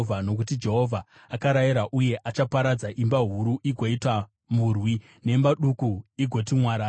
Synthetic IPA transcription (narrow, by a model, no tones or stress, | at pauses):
vʱanok̬ut̬id͡ʒe̞ɦo̞vʱaː | kaɾajiɾaʔuje̞ʔat͡ʃapaɾad͡zaʔimbaɦuɾuʔiɡʱoitwa | murwi | ne̞mbaɗukuiɡʱo̞timwaːɾa